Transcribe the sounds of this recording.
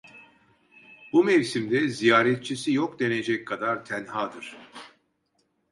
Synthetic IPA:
bumɛvsimd̪ɛzijaːɾɛt̪̚t͡ʃʰisijokd̪e̞ne̞d͡ʒɛckʰːad̪aɾt̪ʰænhaːd̪ɯɾ̥

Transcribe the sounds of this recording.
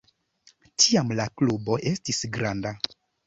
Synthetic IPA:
tʰiamlaklubo̞ʔe̞stisɡɾanda

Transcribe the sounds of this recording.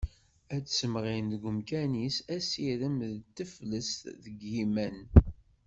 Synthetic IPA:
æt͡sːsəmʁinðɡʊmkænisæsiɾəmðt̪ːəfləst̪ðəɡːimæn

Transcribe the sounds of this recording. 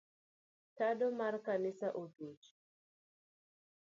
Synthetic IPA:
taɗɔmaɾkanisaʔodud͡ʒ

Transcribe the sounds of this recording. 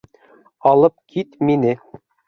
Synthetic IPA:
ɑlˠɤp̚kʰit̪minɘ

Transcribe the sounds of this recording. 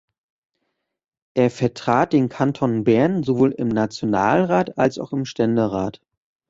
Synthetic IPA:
ʔeːɐfɛɐtʁ̥aːt̚d̥eːnkʰantʰɔnbɛɐnzovoːlɪ̰mnat͡sjonaːlʁaːta̰lsaʊxɪmʃtɛndəʁaːt

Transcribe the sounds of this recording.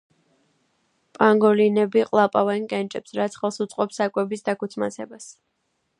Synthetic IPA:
pʼaŋɡɔlinɛbiqʼlˠapʼavɛnkʼɛnt͡ʃʼɛpsɾat̪sʰχɛlˠsut̪sʼqʼɔpsakʼwɛbisd̪akut̪sʰma̰sɛbas

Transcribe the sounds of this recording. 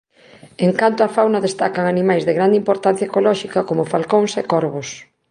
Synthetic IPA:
eŋkant̪oafawnɐðest̪akaŋanimajzðeɣɾand̪eimpoɾt̪an̟θjɐekolɔʃikɐkomʊfalkoŋsekoɾβos

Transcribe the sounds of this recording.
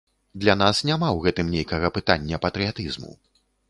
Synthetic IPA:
d̪lʲan̪asnʲamawɣɛt̪ɨmnʲejkɐɣɐpɨt̪anʲːɐpɐt̪ɾɨjat̪ɨzmṵ

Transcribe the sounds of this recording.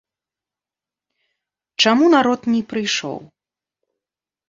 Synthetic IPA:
t͡ʂamunaɾɔt̪nʲɛpɾɨjʂɔ̰w

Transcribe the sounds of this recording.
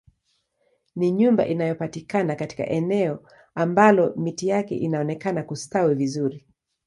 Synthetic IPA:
niɲumba̰ʔinajɔpatikanakati̥ka̰ʔɛnɛɔ | ambalɔmitijakɛ̰ʔinaɔnɛkanakustawivizuɾi

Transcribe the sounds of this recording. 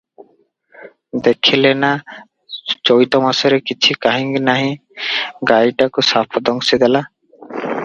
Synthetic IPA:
d̪ekʰilena | t͡ʃojt̪ɔmasɔɾekit͡ʃʰikaɦĩŋɡnaɦĩ | ɡajʈakusapʰɔd̪ɔŋsid̪ela

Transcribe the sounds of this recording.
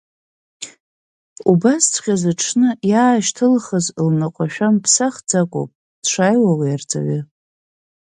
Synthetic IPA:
ubast͡sʰχʲazaʈ͡ʂʰnɨjaːʃtʰɨlχəzlnaqʷʼaʃᶣampʰsaχd͡zakʷʼo̰pʼ | d̥ʂʷajwawajard͡zʼa̰ɥɪ

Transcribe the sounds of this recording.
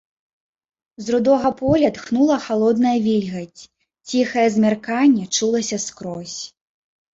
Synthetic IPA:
zɾud̪ɔɣɐpɔlʲɐt̪xnulˠɐxalˠɔd̪nɐjɐvʲilʲɣɐt͡sʲ | t͡sʲixɐjɛzʲmʲarkanʲːɛt͡ʂulˠɐsʲɐskɾɔsʲ

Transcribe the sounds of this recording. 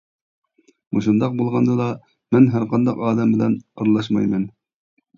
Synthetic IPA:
muʃund̪ɑq̚bulˠʁɑnd̪ɑd̪ɑ | mænɦæɾqʰɑnd̪ɑqɑːd̪ɛmbɪlɛnɑɾlˠɑʃ̬mɑjmɛn

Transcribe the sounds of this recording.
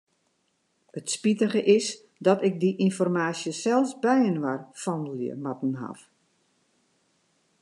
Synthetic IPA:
ətspitəɣəʔɪs | dɔtɪk̚diʔinfɔrmaːsjəsɛlˠsbɛjənʋarfɔndəlˠjə̰matn̩ɦa̰f

